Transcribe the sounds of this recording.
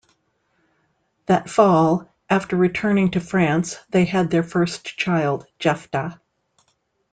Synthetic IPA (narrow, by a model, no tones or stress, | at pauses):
ðɨtfɔlˠ | ʔæftə˞ɹitʰɜ̃˞nɪ̃ŋtʰɨfɹæ̃nsðeɪɨd̪̚ðə˞fɜ˞st͡ʃʰaɪlˠd̚d͡ʒɛftə